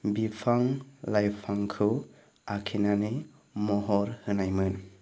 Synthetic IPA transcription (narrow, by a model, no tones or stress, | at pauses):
bipʰaŋlajpʰaŋkʰɯw | akʰinane | mɔɦɔɾhɯnajmɯn